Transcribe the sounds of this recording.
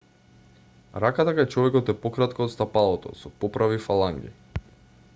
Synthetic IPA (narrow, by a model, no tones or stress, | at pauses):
ɾakat̪akajt͡ʃɔvɛkɔt̪ɛpɔkɾat̪kɔoːt̪st̪apalˠɔt̪ɔ̰sɔpɔpɾavifalˠaŋɡḭ